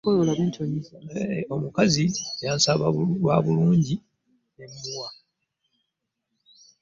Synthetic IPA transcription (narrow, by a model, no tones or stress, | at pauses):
ojolaβeːntʰoɲiomukaziɟaːnsaβauwaβuluːɲɟi | nemimwa